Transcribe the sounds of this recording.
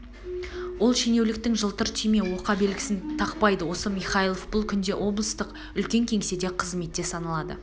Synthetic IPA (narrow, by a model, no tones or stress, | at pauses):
wo̞lˠʃene̞wlɪk̚t̪ɪŋʒəlˠt̪əɾt̪ʰime̞wo̞qɑbe̞lɡʲɪ̥sɪnt̪ʰɑqpɑjd̪əwo̞səmijχɑjilˠofbʊlˠkʲʰʏnd̪e̞ʔwʔo̞blˠəst̪əq | ʏlkʲe̞ŋkʲʰeŋse̞d̪e̞qʰəzme̞t̪ːe̞sɑnɑlˠɑd̪ə̰